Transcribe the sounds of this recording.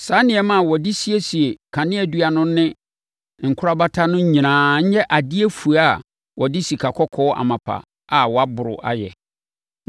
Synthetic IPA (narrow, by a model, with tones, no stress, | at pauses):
sa˨˦nɪ̃˨ɛ˦mã˦˨wɔ˨dɪ˦si˦e˦si˨e˨kʰã˨nɪ̃˦ɛ˨du˦a˨nʊ̃ː˦ɪ̃˦ | ŋ̩˨kʰʊ˦ɾa˦ba˦tʰa˦nʊ̃˦ɲ̩˦ɲĩ˨nãː˨ɲ̩˦ɲɛ˦ʔa˨dɪ˦e˦fu˨a˦˨ | wʔɔ˨dɪ˦si˨kʰa˨kʰɔ˦kʰɔ˦ʔa̰˨mã˨pʰa̰˨ | a˨wɔ˨a˦bʊ˨ɾʊ̰˨ʔa̰˨jɛ̰˨